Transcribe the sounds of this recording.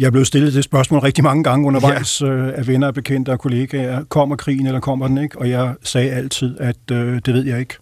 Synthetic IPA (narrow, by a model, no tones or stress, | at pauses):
jɑ̈ɪæɐble̝ð̩ˠsd̥e̝lð̩ˠd̥e̝sb̥ɶɐsmɔ̰ːlʁɛɡ̥̚d̥imɑ̈ŋəɡ̥ɑ̈ŋəɔ̽nɐʋɑ̈ɪ̰søæʋenɐb̥e̝kʰen̰d̥əɒkʰo̝le̝ːɡ̥æɐkʰɒ̽m̰ɐkʰʁḭːn̩elɐkʰɒ̽m̰ɐd̥eneɡ̥ɒ̽jɑ̈ɪsɛːæl̰t͡sʰið̰ˠæd̥ød̥e̝ʋe̝̰jɑ̈ɪe̝ɡ̥